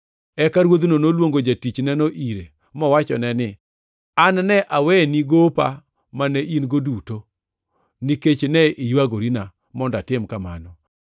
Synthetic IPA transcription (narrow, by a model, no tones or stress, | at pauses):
ɛkaɾwod̪nonolwoŋɡod͡ʒatit͡ʃnɛnɔʔiɾe | mɔwat͡ʃɔ̰nɛnɪ | annɛʔawɛniɡopa | manɛʔinɡoduto | niket͡ʃnɛʔijwaɡoɾina | mɔndatɪmkama̰nɔ